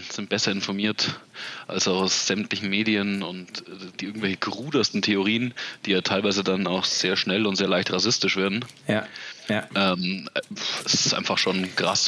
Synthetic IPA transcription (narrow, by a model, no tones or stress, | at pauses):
z̥ɪnt̚b̥ɛsɐɪnfɔɐmiːɐtʔa̰lsaʊsz̥ɛmtlɪçn̩meːdijənʊntːd̥ʔɪɐɡŋ̩tvɛlçəɡəʁuːdɐstn̩tʰeʊʁ̞iːənd̥iːjaːtʰaɪlvaɪzədanaʊxz̥eːɐʃnɛlʊntz̥eːɐlaɪçtʁas̬ɪstɪʃv̥eːɐdn̩j | ʔɛːm | ɛsɪsʔa̰ɪnfaχʃoːnɡ̥ʁ̥a̰s